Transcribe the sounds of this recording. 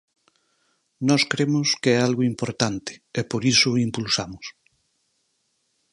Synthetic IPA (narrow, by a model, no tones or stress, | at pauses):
nɔskɾemʊskeɛalɣoimpoɾt̪ant̪ɪ̥epoɾisʊimpulsamʊs